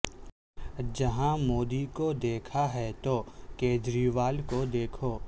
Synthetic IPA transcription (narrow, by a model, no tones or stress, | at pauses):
d͡ʒɐɦãmoːd̪ikod̪eːkʰaɦɛt̪okeːd͡ʒɾiːʋaːlkod̪eːkʰoː